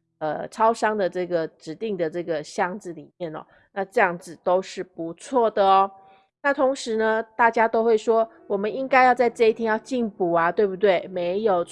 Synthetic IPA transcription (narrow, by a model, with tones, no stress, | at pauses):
ə˨˩ʈ͡ʂʰɑ˥ʊʂɑ˥ŋd̪ə˨ʈ͡ʂɤ˥˩ɡə˩ʈ͡ʂɻ̩˧˥t̪i˥˩ŋd̪ə˩ʈ͡ʂɤ˥˩ɡə˩ɕjɑ˥˧ŋd͡zɹ̩˥˩lḭ˨˩mjɛ˥˩nɐ̰˨˩ | na˥˧ʈ͡ʂɤ˥˧jɑ˥˩ŋd͡zɹ̩˨˩t̪o˥ʊʂɻ̩˥˩pu˧˦t͡sʰwɔ˥˩d̪ə˩ɔ˦ | na˥˩t̪ʰʊ˧˥ŋʂɻ̩˧˥nə˧t̪a˥˩t͡ɕja˥t̪o˥ʊxwe˥˩ɪʂwɔ˥ | wɔ˨˩mə˦ni˦ŋka˥ɪjɑ˥˧ʊt͡sa˥˧ɪʈ͡ʂɤ˥˧i˥˩t̪ʰjɛ˥njɑ˥˧ʊt͡ɕi˥˧ŋpu˨˩ɐ˦t̪we˥˩ɪbu˧˩t̪̬we˥˩ɪme˧˥ɪjo˨˩ʊ